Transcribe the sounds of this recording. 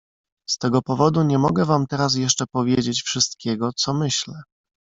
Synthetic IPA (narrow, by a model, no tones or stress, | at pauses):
st̪ɛɡɔpɔvɔd̪uɲɛmɔɡɛvamt̪ɛɾas̬jɛʂt͡ʂɛpɔvʲjed͡ʑet͡ɕfʂɘst̪kʲʰɛɡɔt̪sɔmɘɕlɛ